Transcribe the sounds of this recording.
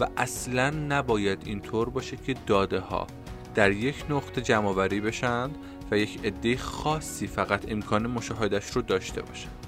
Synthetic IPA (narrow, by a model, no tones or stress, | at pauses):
væʔæslænːæbɒːjæd̪int̪ʰoːɾbɒːʃed̪̥cʰe̞d̪ɒːd̪e̞hɒ̰ː | d̪̥æɾje̞cʰnoɣt̪ʰe̞d͡ʒæmɒːvæɾiːbe̞ʃænd̪ | væje̞cʰe̞d̪ːejexɒːsːiːfæɣæt̪ʰe̞mkʰɒːne̞mo̞ʃɒːɦe̞d̪æʃɾod̪ɒːʃt̪ʰe̞̰bɒ̰ːʃæ̥nd̪̥